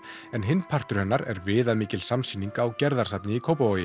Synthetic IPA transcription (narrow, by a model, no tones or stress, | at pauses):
ɛnɦɪnpʰar̥t̪ʏɾ̥hɛnːaɾɛ̰ɾvɪːðamiːcɪlsamsiːniŋkawcɛɾðaɾ̥sapnɪikʰowpaoːjɪ